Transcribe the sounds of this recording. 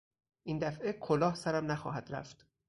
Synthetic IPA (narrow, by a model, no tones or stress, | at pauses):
ʔind̪æfʔekʰolɒːhsæɾæmnæxɒ̰ːɦæd̪ɾæ̰ft̪